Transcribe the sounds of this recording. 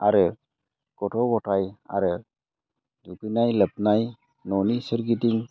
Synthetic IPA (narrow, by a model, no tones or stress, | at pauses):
aɾɯ | kɔʈʰɔbɔʈaja̰ɾɯ | d͡ʒukinajləp̚naj | nɔnisəɾɡit̪iŋ